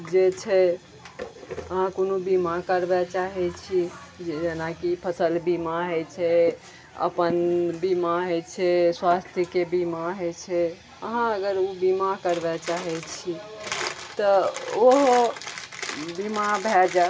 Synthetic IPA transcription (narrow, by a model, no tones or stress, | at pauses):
d͡ʒet͡ʃʰɛ | əɦãkonobimakəɾbɛt͡ʃaɦɛt͡ʃʰid͡ʒenakipʰəsəlbimaɦet͡ʃʰɛ | ə̰pənbimaɦot͡ʃʰɛswast̪ʰjəkebimaɦet͡ʃʰɛ | əɦãəɡəɾubimakəɾbɛt͡ʃaɦɛt͡ʃʰi | t̪əoɦo | bimabʱɛd͡ʒa